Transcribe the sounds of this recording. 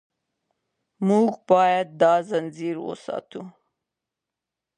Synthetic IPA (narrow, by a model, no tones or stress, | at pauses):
muɡbɑːjad̪̚ːɑːzanziɾwo̰sɑ̰ːt̪u